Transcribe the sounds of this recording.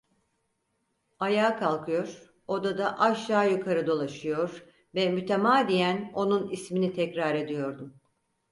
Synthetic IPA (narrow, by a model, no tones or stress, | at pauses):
ajaːkʰalˠkʰɯjo̞ɾ̥ | o̞d̪ad̪aʔaʃaːjukʰaɾɯd̪o̞lˠaʃɯjo̞ɾ | vɛmyt̪ʰemaːd̪ijæno̞nunisminit̪ʰɛcɾaɾe̞d̪ijo̞ɾd̪um